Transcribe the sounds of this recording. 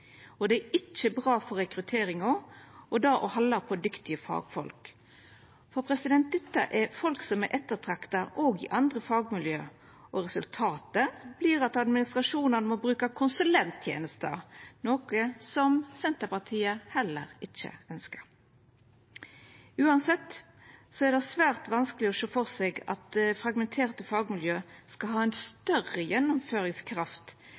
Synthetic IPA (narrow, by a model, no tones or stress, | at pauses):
ɔd̪ɛːɪt͡ʃːəbʁɑːfɔɾʁɛkɾʉt̪ʰeːɾɪŋɔɔd̪ɑːʔɔhɑlːɑpʰɔd̪ʏkt̪ɪəfɑ̰ːɡfɔlk | fɔɾpʰɾɛsɪd̪ɛnt̪̚d̪ɛt̪ːə̰ʔɛɾfɔlksɔmɛɾʔɛt̪ːət̪ʰɾɑkt̪ɑʔoːɡɪ̰ʔɑnd̪ɾəfɑːɡmɪljøː | ɔɾɛsʉlt̪ʰɑːt̪əb̥liːɾɑt̪ɑd̪mɪnɪst̪ɾʁɑʂuːnɑnəmɔbɾʉːkɑkʰʊnsʉlɛnt̪ʰjḛːnəst̪ɑ̰noːkəsɔmsɛnt̪əpɑʁt̪ʰiːəhɛlːəʁɪçːə̰œnskəʁ | ʉːɑnsɛt̪ː | sɔæʁd̪ɛsʋæːʁt̪ʋɑnskəlɪɔʃoːfɔʁsɛːɡɑ̰t̪̚fɾɑɡmɛnt̪ʰeːʁt̪əfɑːɡmɪljøːskɑlɦɑːæɪnst̪œʁəjɛnːʊmføːɾɪŋskʰɾɑft̪